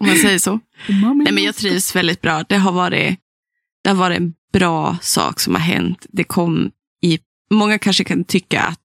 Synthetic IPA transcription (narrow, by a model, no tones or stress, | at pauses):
mansɛjːəʂɔ | nɛmɛnjɑːɡ̚t̪ʰɾiːvsvɛld̪ɪt̪̚bɾɑːd̪ɛɦaɾvɑːɾɪ̰ | d̪̥ɛhaɾvɑːɾɪɛnb̥ɾɑːsɑ̰ːksɔmha̰ɾɦɛ̰nt̪d̪ɛkʰɔmː | ɪ | mɔŋːakʰanʂəkʰant̪ʰʏkːa̰a̰t̪̚